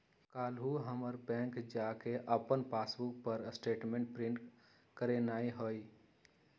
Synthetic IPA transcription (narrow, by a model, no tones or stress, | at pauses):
kalɦuɦəməɾpɛ̃ŋkd͡ʒakeʔəpənpasbuk̚pəɾsʈeʈmẽɳʈ̚pɾĩɳʈ | kəɾenaiɦoi